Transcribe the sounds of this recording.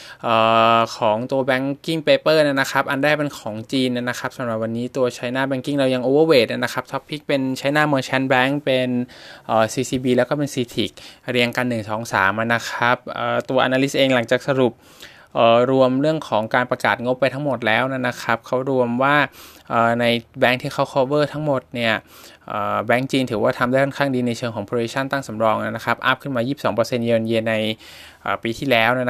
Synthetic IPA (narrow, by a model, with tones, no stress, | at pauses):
ʔɤː˨˩kʰɔː˩˦ŋt̪u˧ɐbɛː˦˥ŋki˥˩ŋpeː˧pɤː˥˩na˧˩na˦˥xʰa˦˥p̚ʔa˧ndaː˥˩jpe˧nkʰɔː˩˦ŋt͡ɕiː˧nʔa˧˩na˦˥kʰa˦˥p̚sa˩˦mɾa˨˩p̚wa˧nːiː˦˥t̪u˧ɐt͡ɕʰa˦˥jnaː˥˩bɛː˧˥ŋki˥˩ŋɾa˧˩wja˧ŋʔoː˧wəː˥˩weː˨˩t̪̚na˧˩na˦˥kʰa˦˥p̚sʰɔ˦˥pʰːi˦˥k̚pe˧nt͡ɕʰa˦˥jnaː˥˩mɤː˧t͡ɕʰɛ˦˥nbɛː˦˥ŋpe˧nʔəː˨˩siː˧siː˧biː˧lɛː˦˥wkɔ˥˩pe˧nsiː˧t̪ʰiː˨˩k̚ɾi˧ənka˧nːɯ˨˩ŋsɔː˩˦ŋsa̰ː˩˦mʔa˧˩na˦˥kʰa˦˥p̚ʔəː˨˩t̪u˧ɐʔa̰˧naː˧li˦˥sʔeː˧ŋla˩˦ŋt͡ɕaː˨˩k̚sa˧ɾu˨˩p̚ | ʔəː˨˩ɾu˧əmɾɯ˥˩əŋkʰɔː˩˦ŋkaː˧npɾa˧kaː˨˩t̪̚ŋo˦˥pːa˧jt̪ʰa˦˥mo˨˩t̪̚lɛː˦˥wna˥˩na˦˥kʰa˦˥p̚kʰa˦˥wɾu˧əmwaː˥˩ʔəː˨˩na˧jbɛː˦˥ŋt̪ʰiː˥˩kʰa˦˥wkʰɔ˧˥wɤː˥˩t̪ʰa˦˥ŋmo˨˩t̪̚ni˥˩ɐ | ʔəː˨˩bɛː˦˥ŋt͡ɕiː˧ŋt̪ʰɯː˩˦waː˥˩t̪ʰa˧mdaː˥˩kʰɔ˥˩nkʰaː˥˩ŋdiː˧na˧jt͡ɕʰɤː˧ŋʰɔː˩˦pʰɾoː˧i˦˥t͡ɕʰa˥˩nt̪aː˥˩ŋsa˩˦mɾɔː˧ŋʔa˧˩na˦˥kʰa˦˥p̚ʔa˦˥˩p̚kʰɯ˥˩nmaː˧jiː˥˩p̚sɔː˩˦ŋpɤː˧se˧nje˧nje˧na˧j | ʔəː˨˩piː˧t̪ʰiː˥˩lɛː˦˥wna˦˥˩n